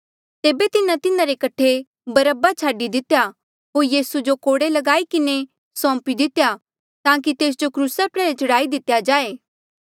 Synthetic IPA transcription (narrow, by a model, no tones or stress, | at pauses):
t̪eːbet̪ɪnãt̪ɪnãɾekɐʈʰe | bɐɾəbat͡ʃʰaːɖid̪ɪt̪ja | ɦoːɾjiːsud͡ʒokoːɽelɐɡaːikɪne | sɔ̃ːpid̪ɪt̪eja | t̪ãːk̬it̪eːs̬d͡ʒokɾuːsapɾɛːɾet͡ʃɐɽaːid̪ɪt̪ːjad͡ʒaːeː